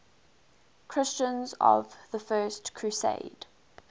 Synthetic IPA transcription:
kʰɹ̥ɪst͡ʃə̃nzə̰vðəfɜːˑstkʰɹ̥ʉsḛɪd̥

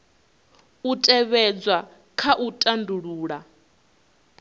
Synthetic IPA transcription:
utʼɛβɛd͡zwa | kʰaʔutʼanduɺuːɺa

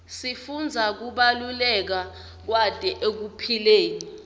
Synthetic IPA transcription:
sifund͡zʱak̬uɓalulɛk̬a | k̬wad̥ʼʱɛʔek̬upʰileːni

